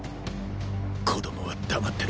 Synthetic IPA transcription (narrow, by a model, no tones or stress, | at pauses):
kʰod̪omoβad̪amat̪ːeɾ